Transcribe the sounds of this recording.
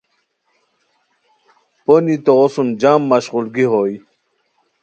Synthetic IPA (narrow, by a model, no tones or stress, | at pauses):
ponit̪oʁosund͡ʑaːmːaɕʁulɡiɦoj